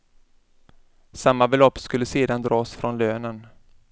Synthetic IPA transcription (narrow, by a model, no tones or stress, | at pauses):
samːabɛlɔpːskɵlːəseːd̪and̪ɾɑːsfɾɔnløːnən